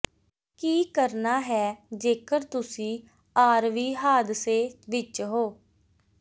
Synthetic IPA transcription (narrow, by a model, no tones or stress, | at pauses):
kiːkəɾnaːɦɛːd͡ʒeːkəɾt̪ʊsĩː | aːɾʋiːɦaːd̪seːʋɪt͡ʃɦoː